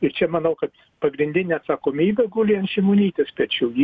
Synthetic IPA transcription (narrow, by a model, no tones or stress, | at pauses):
ɪɾt͡ʃʲɛmɐnɐʊkɐt̪ | pɐɡɾʲɪnʲd̪ʲɪnʲeːɐt̪sɐkoːmʲiːbʲɛɡuːlʲɪɐnʃʲɪmonʲiːt̪ʲespʲɛtt͡ʃʲɛʊji